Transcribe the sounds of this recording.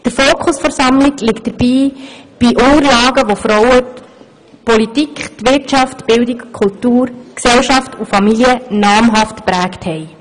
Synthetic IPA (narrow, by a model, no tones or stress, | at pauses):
d̥əɾfoːkʰχʊsfɛɾsɑmlɪɡlɪkt̚d̥əɾb̥iːb̥iʔʊŋəɾlɑːɡəʋofɾɔwə | pɔlitikχtʋɪrtʃɑftb̥ɪldɪkkʰultuːɾksɛlʃɑftufɑmiliənɑːmɦɑftpɾæːkthɛj